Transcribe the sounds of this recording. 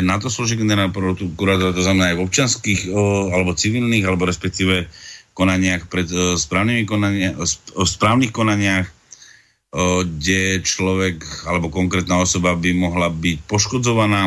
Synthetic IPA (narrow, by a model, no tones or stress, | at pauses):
nat̪ɔslɔʒiɡɛnɛɾnapɾɔkuɾaːt̪ɔɾat̪ɔznamɛnaːjɔp̚t͡ʃɪanskiːxalɛbɔt͡siʋiːlniɣalɛbɔɾɛspɛk̚t̪iːʋɛkɔnaɲɪaxpɾɛt̪spɾaːʊnimikɔna | spɾaːʊniːxkɔnaɲɪax | ɡɟɛt͡ʃlɔʋɛkalɛbɔkɔŋkɾɛt̪naːɔsɔbabimɔɦlabic̚pɔʃkɔd͡zɔʋanaː